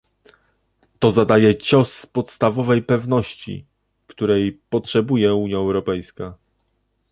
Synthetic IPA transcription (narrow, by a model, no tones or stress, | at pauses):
t̪ɔzad̪ajɛt͡ɕɔspɔt̪st̪avɔvɛjpɛvnɔɕt͡ɕḭ | kt̪uɾɛjpɔtʂɛbujɛuɲjaɛwɾɔpɛjska